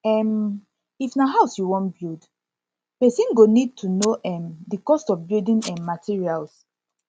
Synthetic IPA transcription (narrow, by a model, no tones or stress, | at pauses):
ɛm | ifnaɦaʊsjuwɔ̃nbild | pɛsĩnɡonid̚tʰunoʔɛ̃mdikɔstɔfbildĩnɛ̃nmatʰiɹials